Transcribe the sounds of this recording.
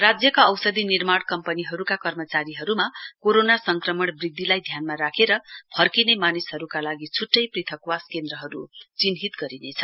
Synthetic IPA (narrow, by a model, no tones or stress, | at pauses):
rad͡zjʌkaʌwsʌd̪inirmaɽ̃kʌmpʌniɦʌɾukakʌrmʌt͡saɾiɦʌɾumakoɾonasʌŋkrʌmʌɽbrid̪ʱːilajd̪ʱjanmaɾakʰeɾʌpʰʌrkinemanisɦʌɾukalaɡit͡sʰuʈːʌjprit̪ʰʌkwaskend̪ɾʌɦʌɾut͡sinɦit̪ɡʌɾinet͡sʰʌ